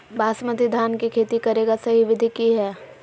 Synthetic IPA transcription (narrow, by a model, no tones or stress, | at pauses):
bʱaːsmət̪id̪ʱaːnkikʰeːt̪ikɐɾeːɡasɐɦiʋɪd̪ʱikiɦɛː